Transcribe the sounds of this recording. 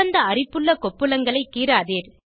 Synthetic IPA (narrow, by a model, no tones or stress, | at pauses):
ɐnd̪ɐɐrɪpːɯɭːɐkɔpːɯlɐŋɡɐɭɐɪkːiːɾaːðeːɾ